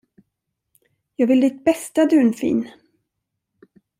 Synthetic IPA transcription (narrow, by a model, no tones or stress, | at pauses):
jɑːɡvɪld̪ɪt̪̚bɛst̪ad̪ʉːnfḭːn